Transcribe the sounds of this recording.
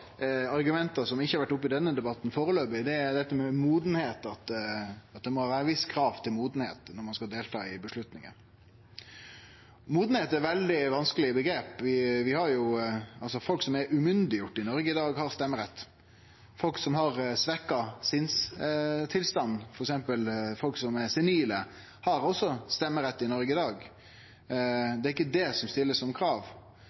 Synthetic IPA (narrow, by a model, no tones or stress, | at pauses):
ɑɾɡʉmɛnt̪əsɔmɪçːhɑɾʋæʈːʊpːɪd̪ɛnːəd̪ɛbɑt̪n̩foːɾəløːbɪd̪ɛd̪ɛt̪ːəmɛmuːd̪n̩heːt̪ɑt̪ɑt̪̚d̪ɛmɔhɑːʋæːɾəʋɪskʰɾɑːʋt̪ʰɪlmuːd̪n̩hḛːt̪nɔɾmɑnskɑld̪eːlt̪ʰɑ̰ːɪbəslʉt̪nɪ̰ŋə̰n | muːd̪n̩heːt̪æɾʋɛld̪ɪʋɑnskəlɪbəɡɾeːpʋɪʋɪhɑɾjʊɑlsɔfɔlksɔmɛɾʉmʏnd̪ɪjʊʈːɪnɔɾɡəɪd̪ɑːɡhɑɾst̪ɛmːəɾɛt̪ː | fɔlksɔmɦɑɾsʋɛkːɑsɪnst̪ʰɪlst̪ɑnːfɔɾɛksɛmpəlfɔlksɔmɛsɪniːlə | hɑɾɔsːɔst̪ɛmːəɾɛt̪ːɪnɔɾɡəɪd̪ɑːɡ | d̪ɛːɾɪkːəd̪ɛsɔmst̪ɪlːəsɔmkʰɾɑːʋ